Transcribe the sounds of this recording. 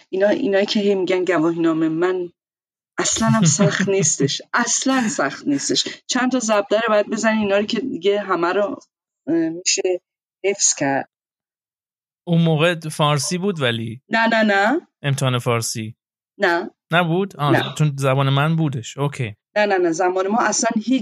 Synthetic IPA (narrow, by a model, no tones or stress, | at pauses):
inɒʔḭnɒːjiːcʰe̞ɦe̞jmiɟænɟævɒːɦinɒːmemæn | æslænæmsæxt̪niːst̪e̞ʃʔæslænsæxt̪niːst̪e̞ʃt͡ʃʰænt̪ʰɒzæb̚d̪æɾebɒjæd̪̚be̞zæniiːnɒːɾicʲʰe̞d̪iɟe̞ɦæmæɾo | miːʃe | he̞fscʰæɾd̪̥̚ | unmoːɣefɒːɾsiːbuːd̪vælinænænæe̞mt̪ʰehɑːnefɒːɾsi | næ | næbuːd̪ɒnæt͡ʃʰonzæbɒːnemænbuːd̪e̞ʃokʰḛjnænænæzæmɒːne̞mɒːʔæslænhi